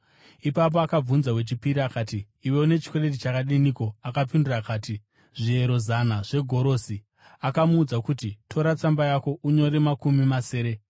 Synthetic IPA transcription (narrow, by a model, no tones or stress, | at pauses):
ipap̬oakab͡vunzawe̞t͡ʃipiɾiakaːtiː | we̞une̞t͡ʃi̥kwere̞t̬it͡ʃakaɗiniko̞akapindurakaːti | ʐie̞ɾo̞zanaʐ̥e̞ɡʱo̞ɾo̞si | akamuːd͡zakutitʰo̞ɾat͡sambajako̞ʔuɲo̞ɾemakumimase̞ːɾe̞